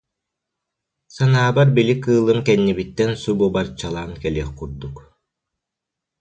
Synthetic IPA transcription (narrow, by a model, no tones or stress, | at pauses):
sanaːbaɾbilikɯːlˠɯmkɛnːibit̪ːɛnsububaɾt͡ɕalˠaːŋkɛliɛχkuɾd̪uk